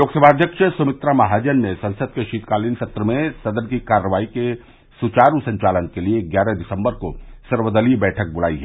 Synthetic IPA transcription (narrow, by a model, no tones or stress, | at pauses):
loːksəbʱaːd̪ʱjəkʃəsʊmɪt̪ɾamɐɦaːd͡ʒənnesɐ̃nsəd̪̚keʃiːt̪kaːlinsɐt̪ɾəmẽsɐd̪ənkikaːɾːəʋaːike | sʊt͡ʃaːɾusɐ̃ɲt͡ʃaːlənkelieɡjaːɾəd̪ɪsə̃mbəɾkosɐɾʋəd̪əlibɛːʈʰək̚bʊla̰ːiɦɛː